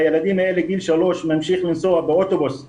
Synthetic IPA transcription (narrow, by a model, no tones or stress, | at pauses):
jalæd̪iːmeːlɪɡiːlʃaloːʃmæmʃiːxlɪnsoːabɪʔot̪obos